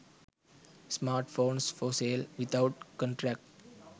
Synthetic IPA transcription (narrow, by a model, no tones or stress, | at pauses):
smaːɾʈfõːnsfoːseːlʋɪt̪aʊʈkɔ̃ɳʈɾæk̚ʈ